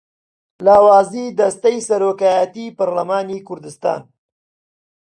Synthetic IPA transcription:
laːwaːziːd̪ɐst̪ɐjsɐɾoːkaːjat̪iːpɐɾlɐmaːniːkʊɾd̪ɨst̪a̰ːn

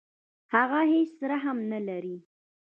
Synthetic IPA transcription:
haɣahet͡ʃsɾaɦamnalaɾi

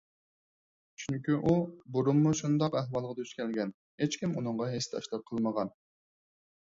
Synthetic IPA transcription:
t͡ʃʰyŋkʲyʔubuɾumːuʃund̪ɑqæɦwɑlˠʁɑd̪øʃkʲʰɛlɡʲɛn | het͡ʃkʲimunɨŋʁɑɦesd̪ɑ̰ʃlˠɑp̚qʰəlˠməʁɑn

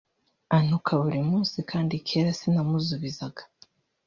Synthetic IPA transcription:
an̥ukʰaβuɾimuːnsikʰaːndikʰeːɾasinamuzuβizaɡḁ

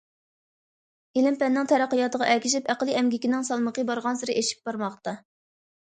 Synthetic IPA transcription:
elɪmpɛnːɪŋt̪ʰɛɾæqːəjɑt̪əʁɑʔɛlkʲʰiʃ̬ipæqlˠiʔɛmɡʲikʲinɪŋsɑlˠməqəbɑɾʁɑnsɨɾɨʔeʃi̥p̚bɑɾmɑχt̪ɑ

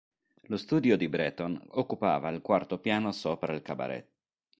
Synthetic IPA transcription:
lost̪uːd̪jod̪ibɾɛːt̪onokːupa̰ːvailkwart̪opjaːnosoːpɾailkaba̰ɾɛ̰t̪ː

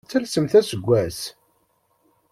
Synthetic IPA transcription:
t͡sːælsəmθæsəɡʷːæs

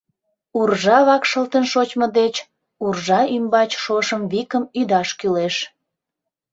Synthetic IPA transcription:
urʒɑβɑkʃəlt̪ənʃot͡ɕməd̪et͡ɕ | urʒɑymbɑt͡ɕʃoʃəmβikəmyd̪ɑʃkyleʃ

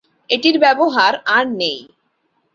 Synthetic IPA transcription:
eʈiɾbɛboɦaɾaɾnej

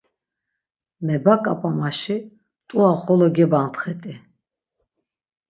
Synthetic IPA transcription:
mɛbakʼapʼamaʃi | t̪ʼuaχɔlɔɡɛbant̪χɛt̪ʼi

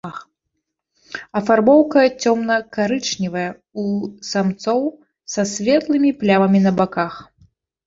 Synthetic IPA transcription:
ɐfarbɔwkɐt͡sʲɔmnɐkaɾɨt͡ʂnʲivɐjɛ | usamt̪sɔw | sɐsʲvʲɛt̪lˠɨmʲiplʲavɐmʲinɐbakax

